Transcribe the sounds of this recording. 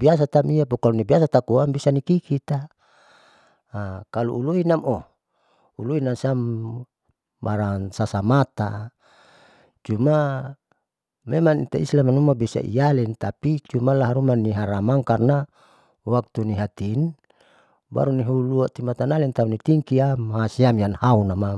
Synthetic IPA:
bias̬at̪amijapukalunibiasat̪akuambisanikikit̪a | kalṵʔuluinamo | uluinasam | aɾaŋsasamat̪a | t͡ʃuma | memaŋit̪aislamanumabisa̰ʔḭjalɛnt̪apit͡ʃumalaɦaɾumaniɦaɾamaŋkarna | wak̚t̪uniɦat̪in | ba̰ɾuniɦuluaʔt̪imat̪analint̪aunit̪iŋkiamaɦasiamjanhaunama

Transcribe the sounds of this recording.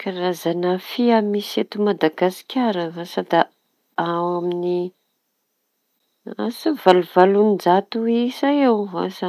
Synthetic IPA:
kaɾazanafiamiset̪umad̪aɡasi̥kʲaɾəasad̪a | awamini | a̰səvaluvalunid͡ʒat̪uisajewa̰sa

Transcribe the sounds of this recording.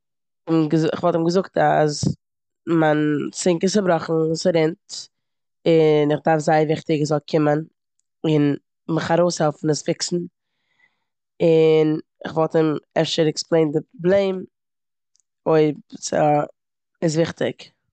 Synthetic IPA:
ɪmɡəzɪχvɔlˠtɪmɡəzʊkta̰s | mant͡sɪŋkəsəbɾɔχn̩sɾɛnt | ɪnɪχdaɾfzaɪvɪχtɪɡɪzɔlˠkʰɪmən | ɪn | mɪχaɾoʊshɛlˠfn̩əsfɪksn̩ | ɪn | ɪ̰χvɔlˠtɪmɛʃəɾɛksplˠeɪndɪpɾɔblˠeɪm | oɪpsa | ɪs̬vɪχtɪk

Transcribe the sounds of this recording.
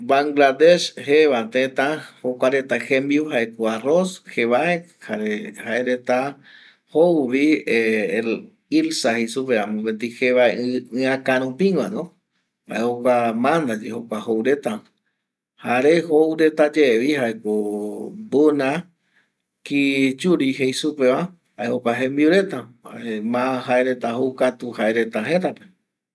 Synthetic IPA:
baŋɡlad̪eʃheβat̪et̪ãhokʷaɾet̪axembjuɦaekoarosxeβaehaɾehaeɾet̪a | howβie | ilsahisupeãmõpent̪iheβaeɨ̃akaɾ̃ũpĩŋanõ | ha̰ehokʷamãnd̪ad͡ʒehokʷahowɾe̞t̪a | haɾeɦowɾe̞t̪ad͡ʒeʋiɦaekobunã | kit͡ʃuɾiɦejsupeβa | haehopaɦẽmbiuɾe̞t̪aaemãɦaeɾe̞t̪ahukat̪uhaeɾe̞t̪aɦet̪ape

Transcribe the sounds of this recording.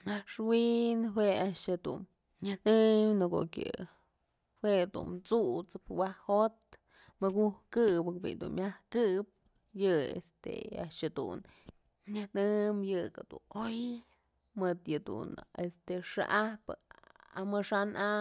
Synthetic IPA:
naʂwinɦweaʔʃad̪ṵn | ɲahnɨmnɨko̰kʲɨ̰ | wed̪ṵnt͡sut͡sɨpwahot̪̚ | mɨɡuhkɨbɨkbḭnd̪ṵnmʲahkɨp̚ | jɨḛst̪ḛa̰ʔʃad̪ṵn | ɲɨhnɨmjɨkad̪ṵnoj | mɨd̪jɨd̪ṵnest̪eʂa̰ʔahpɨamɨʂanʔa

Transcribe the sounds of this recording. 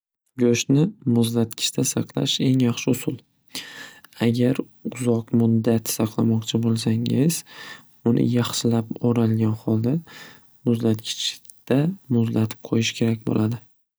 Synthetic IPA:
ɡoʃnɪmʊzlat̪kʲʰɪ̥st̪ʰasɑqlˠa̰ʃe̞ŋjɑχʃɪʊsʊlˠ | aɡʲaɾ | ʊzɒqmʊd̪ːat̪sɑqʰlˠamɒqt͡ʃʰɪbolˠsaŋɪz̥ | ʊnʔɪ̰jɑχʃɪlapoɾalɡʲanχɒlˠd̪a | mʊzlat̪kʲʰɪ̥t͡ʃʰ | d̪̥amʊzlat̪ʰɪ̥p̚qʰojɪʃkʲʰe̞ɾak̚ʲbo̰lʔad̪ɪ

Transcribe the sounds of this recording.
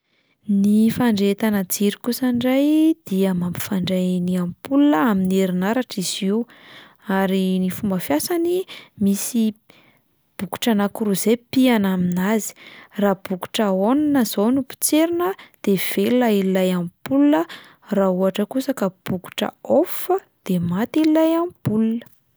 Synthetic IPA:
nifaɳɖ͡ʐet̪anad͡ziɾikusəɳɖ͡ʐajd̪̥iəmampi̥faɳɖ͡ʐaniampulunəamineɾinaɾaʈ͡ʂiz̥iw | aɾinifumbəfjasanimisi | b̥uku̥ʈ͡ʂanakuɾuzepianaminazi̥raːb̥uku̥ʈ͡ʂəonanəzownupi̥t͡seɾinəd̪̥ev̥elulaillajampulunə | rauaʈ͡ʂəkusəkəb̥uku̥ʈ͡ʂə̰ofə | d̪̥emat̪ililajamb̥ulunə̥

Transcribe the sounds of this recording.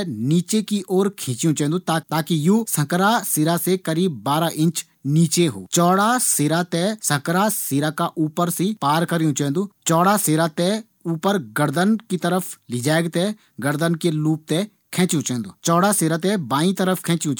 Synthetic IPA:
niːt͡ʃekiʔɔːɾkʰĩːt͡ʃjũt͡ʃɛ̃ɦnd̪ut̪aːt̪aːkijuːsə̃kɾaseːɾasekəɾiːb̚ːaːɾaʔɪ̃nt͡ʃ | niːt͡ʃeɦo̰ːt͡ʃɔːɽaseːɾat̪ɛsə̃kɾaseːɾakaʔuːpəɾsipaːɾkəɾijũt͡ʃaɦnd̪uːt͡ʃɔːɽaseːɾat̪ɛ | uːpəɾɡəɾd̪ənkit̪əɾəfʰlɪd͡ʒaːeɡt̪ɛ | ɡəɾd̪ənkeluːp̚t̪ɛ | kʰɛ̃ːt͡ʃjũt͡ʃɛ̃ɦnd̪uːt͡ʃɔːɽaseːɾaːt̪̬ɛbaːĩt̪əɾəfʰkʰɛ̃ːt͡ʃjũt͡ʃ

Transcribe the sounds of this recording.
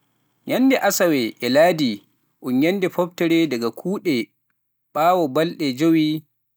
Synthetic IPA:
jɐndɛʔasawɛʔɛlaːdi | ʔʊɲjɐndɛɸɔbtɛɾɛdɐɡakʰuːɗɛ | ɓaːwɔbɐlɗɛd͡ʒowiː

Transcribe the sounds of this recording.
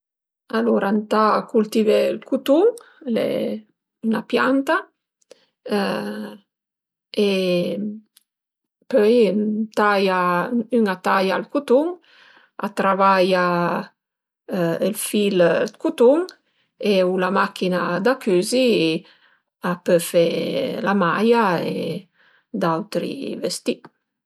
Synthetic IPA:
aluɾant̪akult̪ivelkut̪uŋ | lḛ | ynapjant̪a | e | pœjt̪ajayŋat̪ajalkut̪uŋ | a̰t̪ɾavaja | elfilkut̪uŋ | eulamakʰinad̪akʰyzi | apøfelamajaḛ | d̪awt̪ɾḭvest̪i

